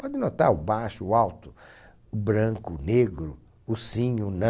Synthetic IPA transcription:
pɔd̪ɪnot̪aɾʊbaʃʊːawt̪ʊ | ʊbɾɐ̃kʊneɡɾʊ | ʊsĩɲʊnɐ̃

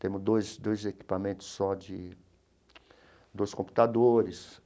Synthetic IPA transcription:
t̪ẽmʊd̪ojsd̪ojzeki̥pamẽnt̪ʊ̥sːɔd͡ʒɪ | d̪ojskõmpu̥t̪ad̪oɾɪs

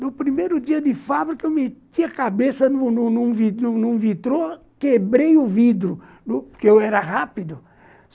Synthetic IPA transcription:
nʊpɾimejɾʊd̪iɐd̪ɪfabɾikɐewmet̪iɐkabesɐnunũnũvinũnũvit̪ɾo | kebɾejuvid̪ɾʊ | nʊpkeewɛɾɐʁapid̪ʊ

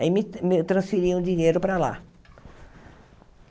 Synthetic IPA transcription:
imɪmɪt̪ɾɐ̃sfiɾiũd͡ʒiɲeɾʊpɾala̰

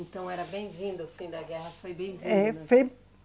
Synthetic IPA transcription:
ẽnt̪ɐ̃w̃ɛɾɐbẽj̃vĩnd̪ʊfĩd̪ɐɡɛɦɐfojbẽj̃vĩɛfej

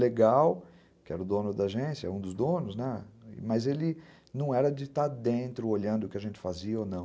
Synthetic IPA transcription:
leɡaw | kɪɛɾɐʊd̪õnʊd̪ɐaʒẽsjɐɛũd̪ʊzd̪õnʊznɛ̰mɐzelɪ | nɐ̃w̃ɛɾɐd͡ʒɪt̪ad̪ẽnt̪ɾʊoʎɐ̃nd̪ʊkɪaʒẽnt͡ʃɪ̥faziɐonɐ̃w̃

